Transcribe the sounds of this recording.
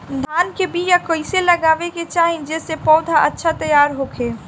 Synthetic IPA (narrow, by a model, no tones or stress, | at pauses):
d̪ʱaːnkebʱijakəɪseləɡaːʋeket͡ʃaːɦĩd͡ʒeːsepɔːd̪ʱaʔətːʃʰat̪ɐjaːɾɦoːkʰeː